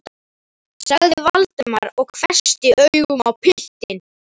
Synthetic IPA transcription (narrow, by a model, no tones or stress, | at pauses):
saɣðɪvalt̪ʏmaɾɔɣkʰvɛ̥st̪ɪʔœɥɣʏmawpʰɪht̪ɪn